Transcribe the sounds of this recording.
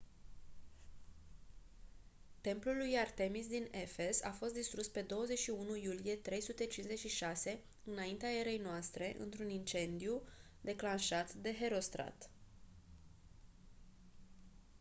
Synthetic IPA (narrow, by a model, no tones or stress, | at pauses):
t̪e̞mplulːujart̪e̞mis̬d̪ine̞fe̞sa̰fo̞st̪d̪ist̪ɾuspe̞d̪o̞wəze̞t͡ʃʃiunujulije̞t̪ɾe̞jsut̪e̞t͡ʃinze̞t͡ʃʲʃiʃase̞ | ɨnaint̪eae̞ɾe̞jnoast̪ɾe̞ʔɨ̰nt̪ɾunint͡ʃe̞nd̪iu | d̪e̞klanʃat̪d̪e̞ɦe̞ɾo̞st̪ɾa̰t̪